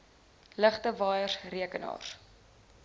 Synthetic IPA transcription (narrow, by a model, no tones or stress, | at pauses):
ləχtəvɑːjərsriəkənɑ̰ːr